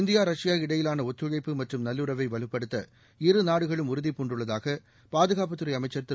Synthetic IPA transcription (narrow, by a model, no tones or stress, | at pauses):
ɪnd̪ɪjaːɾɐʂɪjaːɪɽɐjɪlaːnɐɔt̪ːɯɻɐɪpːɯmɐʈrɯmnɐlːɯɾɐʋɐɪʋɐɭɯpːɐɽɯt̪ːɐ | ɪrɯnaːɽɯɣɐɭɯmʊɾɯðipːuɳɖɯɭːɐðaːɣɐ | paːðɯɣaːp̬ɐt̪ːɯɾɐɪjɐmɐɪt͡ʃːɐɾt̪ːɪ